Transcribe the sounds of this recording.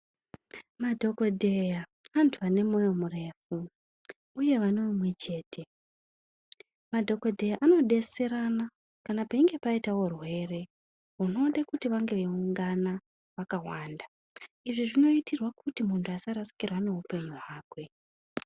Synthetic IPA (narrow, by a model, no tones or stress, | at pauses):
madʱo̞ko̞dʱe̞ja | antʰuane̞mo̞jo̞mure̞fu | uje̞ʋaneumwe̞t͡ʃe̞ːtʰe̞ | madʱo̞ko̞dʱe̞jaʔano̞ɗe̞se̞ɾana | kanapaiŋɡe̞paitawo̞rwe̞ːre̞ | ɦuno̞ɗakutiʋaŋɡe̞ʋeuŋɡana | ʋakawaːnda | iʐiʐino̞itʰirwakutimuntʰuasaɾasi̥kirwane̞ɦupe̞ɲiwaːkwe̞